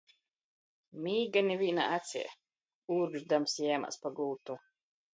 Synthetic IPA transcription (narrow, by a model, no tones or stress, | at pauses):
miːɡanʲiviːna̰ʔat̪sʲḭ | uːɾɡʒd̪amsjɛːma̰spaɡult̪u